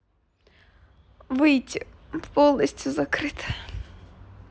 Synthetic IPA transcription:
vɨjtʲɪfpolˠnəsʲtʲjʊzɐkɾɨt̪ʰɨ̥

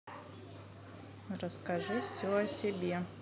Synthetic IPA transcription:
rəskɐʐɨfsʲoɐsʲɪbʲe

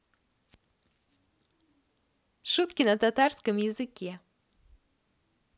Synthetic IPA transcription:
ʃut̪kʲinɐt̪at̪aɾskɨmjɨzɨkʲɛ

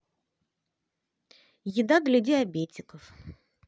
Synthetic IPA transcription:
jɪd̪ad̪lʲədʲɪɐbʲetʲɪkəf

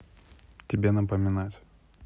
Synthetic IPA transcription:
tʲɪbʲenəpəmʲɪnatʲ

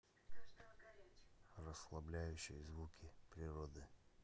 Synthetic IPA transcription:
rəslˠɐblʲæjʉɕːɪjəzvukʲɪpɾʲɪɾod̪ɨ

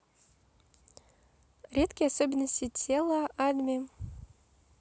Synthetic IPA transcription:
ɾʲet̪kʲɪjasobʲɪnːəsʲtʲɪtʲʰelˠəad̪mʲi

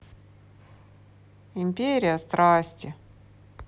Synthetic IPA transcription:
ɪmʲpʲeɾʲɪjəst̪ɾasʲtʲɪ

